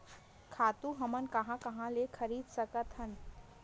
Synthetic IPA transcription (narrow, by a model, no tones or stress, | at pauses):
kʰaːt̪ũɦɐmənkɐɦãkɐɦãlexʰɐɾiːd̪sɐkət̪ɦən